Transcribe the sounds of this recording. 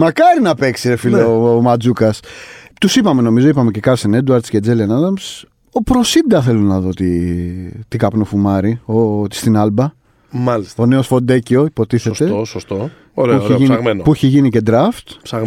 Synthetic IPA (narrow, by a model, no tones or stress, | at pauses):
mɐkɐɾinɐpe̞ksiɾefilomɐd͡zukɐst̪usipɐme̞no̞mizo̞ipɐme̞ce̞kɐɾsened̪uɐɾd̪sced͡zelenɐðɐms | o̞pɾo̞sid̪ɐθe̞lunɐðo̞t̪i | t̪ikɐpnofumɐɾiot̪i̥st̪inɐlbɐ | mɐlist̪one̞o̞sfo̞d̪ecio̞ipo̞t̪iθe̞st̪esost̪o | oɾuieʝiniɣmenopuiçeʝinice̞d̪ɾɐft̪sɐ